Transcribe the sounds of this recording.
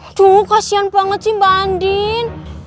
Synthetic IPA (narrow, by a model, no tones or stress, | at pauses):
d̪̥okasianbaŋət̪̚t͡ʃimbandin